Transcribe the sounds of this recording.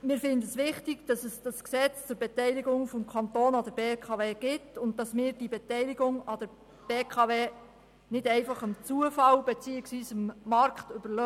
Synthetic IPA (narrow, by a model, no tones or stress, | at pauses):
mɪːɾfɪndəəsʋɪχtiɡ̥d̥ɑsəsd̥ɑsksɛt͡st͡sʊɾbɛtɛɪlɪɡʊŋfɔmkʰɑntoːnɑdəɾb̥eːkʰɑʋeːɡ̥ɪtʊnt̚dɑsmɪːɾd̥ibɛtɛɪliɡʊŋɑdəɾ | b̥eːkχɑʋeː | nɪdɛɪfɑχəmt͡suəfɑlbɛt͡siːɪksʋiːsɪmːɑɾkχtʏb̥əlœ